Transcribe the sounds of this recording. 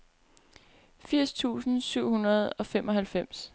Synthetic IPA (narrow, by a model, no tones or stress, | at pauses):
fiɐ̰st͡sʰṵːsn̩syʊ̰hunɐð̞̩ˠɒ̽femʔɒ̽ɦælfem̰s